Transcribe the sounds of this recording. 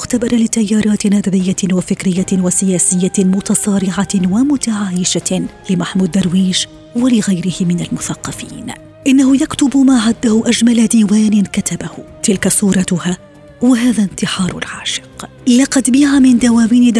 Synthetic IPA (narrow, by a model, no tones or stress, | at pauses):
xt̪abɑɾˤɑlɪt̪ajːɑːɾˤɑːt̪nɑd̪ʕɪjːawafɪkɾɪjːawasɪjaːsɪjːamʊt̪ɑsˤɑːɾɪʕawamʊt̪aʕaːjɪʃalɪmaħmuːd̪ːɑɾˤwiːʃ | walɪɣajɾɪhɪmɪnalmʊθɑqːɑfiːn | ʔɪnːahʊjakt̪ʊbmaːʕad̪ːahʊʔad͡ʒmalad̪iːwaːnɪnkat̪abahʊt̪ɪlkasˤuːɾˤɑt̪ʊha | waɦaːðant̪ɪħɑːɾˤʊ̰lʕa̰ːʃɪ̥q | lɑqɑd̪bɪʕamɪnd̪awaːwiːnɪ